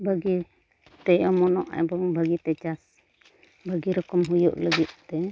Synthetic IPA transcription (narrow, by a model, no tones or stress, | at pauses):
bʱaɡi | t̪ɛʔɔmɔnɔʔɛ̰bɔŋbʱaɡit̪ɛt͡ʃas | bʱaɡiɾɔkɔmɦujṵʔləɡit̪̚t̪ːɛ